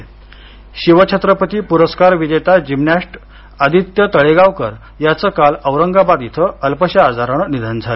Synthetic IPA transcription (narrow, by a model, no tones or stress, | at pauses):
ɕiʋət͡ɕʰet̪ɾəpət̪iːpuɾəskaɾʋid͡ʑet̪ad͡ʑimnaʂʈ | əd̪ʱit̪jət̪əɭeɡaʋkə̰ɾ | jat͡səkaləʋɾəŋɡabad̪it̪ʰəəlpəɕaːd͡zaɾanənid̪ʱənd͡zʱale